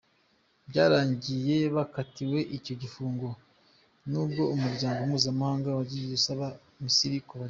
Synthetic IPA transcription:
bɟaːɾaːɲɟije̞βakatiwe̞ʔico̞ɟifuːŋɡo̞ | nuːbɡo̞umuɾɟaːŋɡo̞muːzamahaːŋɡawaɟiiusaβa | misiɾikoβa

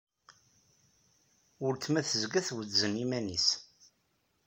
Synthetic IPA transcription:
ʊɾt̪ːmæθəzɡæθwəzənimænis

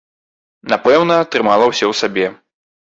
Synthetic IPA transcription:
napɛwnɐt̪ɾɨmalˠɐwsʲɛwsabʲɛ

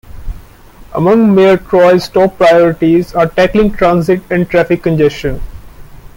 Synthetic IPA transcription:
ə̰mʌ̃ŋɡmeəɾʈɾɔɪsʈɔːpːɾaɪɔːɾɪʈizaːɾʈæklɪ̃ŋʈɾãːnzɪʈɛ̃ɳɖ̚ʈɾæfɪkːə̃nd͡ʒesʃə̃n

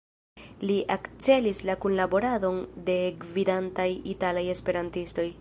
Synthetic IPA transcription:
liʔakt͡se̞lislakunlabo̞ɾado̞nde̞ɡvidantajitalaje̞spe̞ɾantisto̞j

